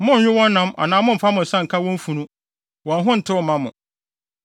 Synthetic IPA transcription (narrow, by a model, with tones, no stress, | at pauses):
mʊ̃˦ɲ̩˨ɲᶣɪ˦wɔ̃˦nː˦ã˦ma̰˨nãː˨˦mʊ̃˦m̩˨fa˦mʊ̃˨n̩˨sã˦ŋ̩˨kʰa˦wɔ̃˦m̩˦fũ˨nũ˦ | wɔ̃˨nɦʊ̃˦n̩˨tʰɪ˦wɔ˦˨mã˦mʊ̰̃˨